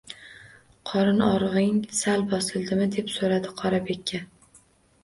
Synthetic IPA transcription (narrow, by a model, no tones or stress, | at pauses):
qʰɒɾɪnɒɾʁɪŋsalbɒsɪlˠd̪ɪmɪd̪e̞psoɾad̪ɪqʰɒɾabe̞kʲʰːa